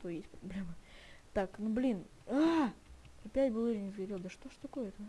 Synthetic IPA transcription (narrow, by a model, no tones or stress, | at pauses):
t̪ojesʲt̚ʲpɾɐblʲe̞mət̪aknublʲin | a | ɐpʲætʲbɨlˠoɾʲɪnʲzɡʲɐɾʲelˠd̪əʂt̪oʂt̪ɐko̞jət̪ə